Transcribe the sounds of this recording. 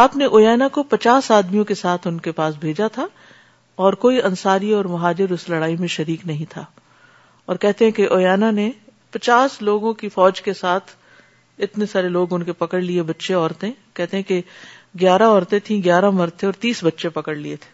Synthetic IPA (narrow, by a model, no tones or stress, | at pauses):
aːpneʔoːjɛːnakopɐt͡ʃaːsaːd̪mijõkesaːt̪ʰʊnkepaːs̬bʱeːd͡ʒat̪ʰa | ɔːɾkoːiʔɐ̃nsaːɾiɔːɾmɐɦaːd͡ʒɪɾʊslɐɽaːimẽʃɐɾiːknɐɦĩt̪ʰaː | ɔːɾkɛɦt̪eɦɛ̃keʔoːjɛːnane | pɐt͡ʃaːsloːɡõkifɔːd͡ʒkesaːt̪ʰ | ɪt̪nesaːɾeloːɡʊnkepɐkəɽliebɐtːʃeɔːɾt̪ẽkɛɦt̪eɦɛ̃ke | ɡjaːɾaɔːɾt̪ẽt̪ʰĩɡjaːɾamɐɾt̪ʰẽɔːɾt̪iːsbɐtːʃepɐkəɽliet̪ʰe̥ː